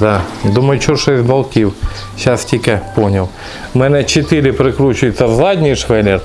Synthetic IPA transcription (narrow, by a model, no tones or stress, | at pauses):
d̪ɑd̪umɐjʊt͡ʃɔʃɛsʲbɐlˠkʲiw | ʃɑstʲikepɔnʲɐw | mɛnɛt͡ʃet̪ɪɾʲɪpɾɪkɾut͡ʃʊjʊt̪ɐzɑdʲnʲiʃʋɛlʲɛ